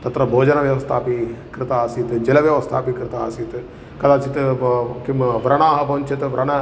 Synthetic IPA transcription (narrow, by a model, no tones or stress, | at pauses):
t̪ɐt̪ɾɐbʱoːd͡ʒɐnɐʋjɐʋɐst̪ʰaːpikɾɪt̪aːsit̪ɨd͡ʒɐlɐʋjɐʋɐst̪ʰa̰ːpikɾɪt̪aːsit̪ɨ | kɐd̪aːt͡ʃit̪ɨkimʋɾɐɳaːɦɐpɐʋɐnt͡ʃit̪ɨʋɾɐɳɐ